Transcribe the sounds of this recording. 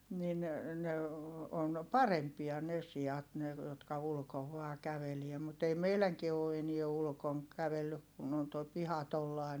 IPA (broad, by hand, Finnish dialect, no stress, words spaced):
nin ne on pɑrempiɑ ne siɑt ne jotkɑ ulŭkoʋ ʋɑː kæʋelie mut ei meilæŋkie oː enie ulŭkoŋ kæʋelːyk kun on toi pihɑ tolːɑˑi̯